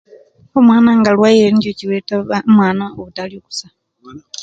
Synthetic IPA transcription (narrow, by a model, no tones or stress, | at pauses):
omwaːnaŋɡalwaːjiɾencociwetaamwaːnaoβutalioku̥sa